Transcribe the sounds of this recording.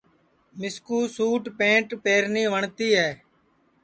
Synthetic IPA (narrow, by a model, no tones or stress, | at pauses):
mɪskuːsuːʈpẽːɳʈpeːɾniːʋəɳt̪iːɦɛː